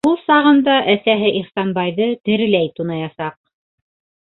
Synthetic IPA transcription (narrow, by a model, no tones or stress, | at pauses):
ulˠsɑʁɤ̆nd̪ɑʔæsæɦɘʔiχsɑnbɑjðɤt̪ɘ̆ɾɘ̆læjt̪unɑjɑsɑq̚